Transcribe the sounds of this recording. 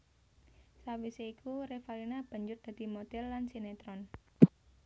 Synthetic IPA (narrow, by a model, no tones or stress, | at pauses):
sawiseikʰuɾefalinab̥a̤ɲd͡ʒʊr̚d̪̥a̤d̪̥i̤mod̪ɛlːansinet̪ɾɔn